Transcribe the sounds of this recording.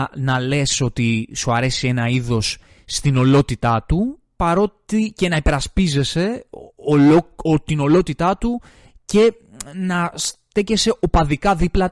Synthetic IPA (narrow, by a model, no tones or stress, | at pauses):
nɐle̞so̞t̪isuɐɾe̞sie̞nɐiðo̞sː | t̪ino̞lo̞t̪it̪ɐt̪u | pɐɾo̞t̪ice̞nɐipe̞ɾɐspize̞se̞ | ot̪ino̞lo̞t̪it̪ɐt̪u | ce̞ | nɐst̪e̞ce̞se̞ʔo̞pɐðikɐðiplɐ